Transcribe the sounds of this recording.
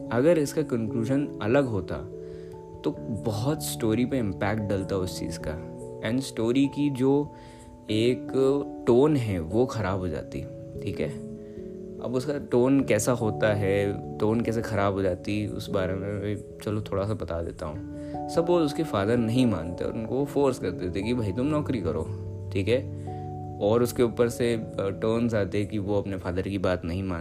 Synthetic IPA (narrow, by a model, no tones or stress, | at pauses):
ɐɡəɾɪskakɐ̃ŋkluːʒənɐləɡɦoːt̪a̰ | t̪obɔɦɔt̪sʈoːɾipeɪ̃mpɛːkʈ̚ɖɐlt̪aɦɛʊst͡ʃḭːzka̰ɛ̃ːɳɖsʈoːɾikid͡ʒoː | eːkʈoːnɦɛ̃ʋoxɐɾaːbʱɦoːd͡ʒa̰ːt̪ḭ | ʈʰiːkɦɛː | ɐ̰bʊskaʈoːnkɛːsaɦoːt̪aɦɛʈoːnkɛːs̬exɐɾaːbɦoːd͡ʒaːt̪iʊ̰sbaːɾemẽmɛ̃ | t͡ʃɐlot̪ʰoːɽasabɐt̪ad̪ḛːt̪aɦũː | sɐbʋoːʊskefaːd̪əɾnɐɦĩmã̰ːnt̪ḛɔ̰ːɾʊnkoʋofoːɾskɐɾt̪eot̪ekibʱaːit̪ʊmnɔːkɾikɐɾo̰ː | ʈʰiːkɦɛː | ɔːɾʊskeʊːpəɾseʈoːnzaːt̪ekiʋoɐpnefaːd̪əɾkibaːt̪nɐɦĩmãːn